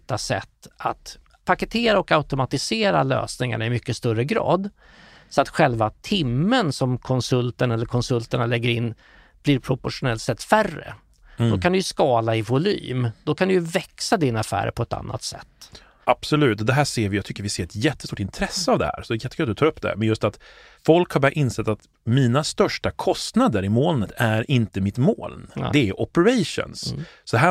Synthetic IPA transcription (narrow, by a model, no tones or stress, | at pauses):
t̪ːasɛ̰t̪ːat̪ | pʰakət̪ʰeːɾaɔkaʉt̪ʊmat̪ɪseːɾa̰lø̰ːsnɪŋa̰ɳaɪmʏkːəst̪œɾəɡɾɑ̰ːd̪ | sɔat̪ɧɛlvat̪ʰɪmːənsɔmkʰɔnsɵlt̪əɳɛlːəɾkʰɔnsɵlt̪əɳalɛɡːəɾɪnː | b̥liːɾpʰɾʊpɔʂʊnɛlt̪sɛt̪ːfærːə̰ | d̪ɔkʰand̪ɵjɵskɑːlaɪvʊly̰ːmd̪ɔkʰand̪ɵjɵvɛksad̪ɪnafæ̰ːɾ̰pʰɔɛt̪a̰nːʔa̰t̪sɛ̰t̪ː | ʔab̥sɔlʉ̟ːt̪ɔd̪ɛɦæːseːɾvɪjat̪ʰʏkːəɾvɪseːɾɛt̪jɛt̪ːəst̪uːʈɪnt̪ʰɾɛsːəavd̪ɛhæ̰ːɾsɔd̪ɛjɛt̪ːɪkʏat̪d̪ɵt̪ʰɑːɾɵpːd̪ɛæ̰mɛnjɵst̪at̪ | fɔlkhaɾbɑːɾaʔɪnsɛt̪ːat̪ | miːnast̪œʂʈakʰɔst̪nad̪əɾɪmoːlnət̪ʰæɾɪnt̪əmɪt̪mo̰ːld̪ɛːʔɔpəɾaʂə̰nssɔd̪ɦæː